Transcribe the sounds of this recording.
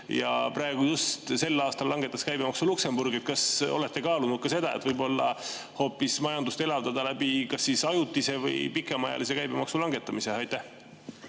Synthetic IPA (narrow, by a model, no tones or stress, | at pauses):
jɑ̰pɾɑe̞ɡ̥ujust̪se̞lːɑːst̪ɑlːɑŋɡ̥e̞t̪ːˑɑskæjbemɑksulukse̞mburɡ̥iet̪̚kɑso̞̰le̞t̪ːekɑːlunud̪̚kɑse̞d̪̥ɑḛt̪vɤjbo̞lːɑ̰ | ho̞ːpːismɑjɑnd̪ust̪e̞lɑvd̪ɑd̪̥ɑlæbikɑsːisɑjut̪ːˑise̞vɤ̰jpikːˑemɑjɑ̰lis̬e̞kæjbe̞mɑksulɑŋɡe̞t̪ːˑɑmise̞ɑjt̪ːæh